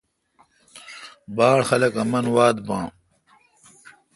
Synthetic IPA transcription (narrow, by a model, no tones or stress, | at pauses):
baːɽxɐlɐkɐmɐnwaːd̪bã̰ː